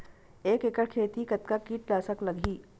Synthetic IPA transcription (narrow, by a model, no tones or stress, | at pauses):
eːkekəɽkʰeːt̪ikɐt̪kakiːʈlaːsəklɐɡʱiː